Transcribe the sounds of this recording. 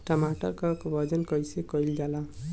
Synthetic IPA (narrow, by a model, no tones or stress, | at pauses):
ʈəmaʈəɾkəkbʱʌd͡ʒənkʌjsekəjld͡ʒala